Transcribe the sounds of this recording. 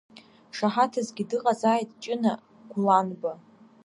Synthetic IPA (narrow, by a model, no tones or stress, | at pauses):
ʂaħatʰazɡʲidɨqʼazaːjtʼt͡ʃʼɪna | ɡ̥ʷlanba